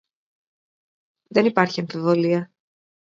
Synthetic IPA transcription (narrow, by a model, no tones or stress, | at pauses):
ðe̞nipɐɾçiɐɱfivo̞liɐ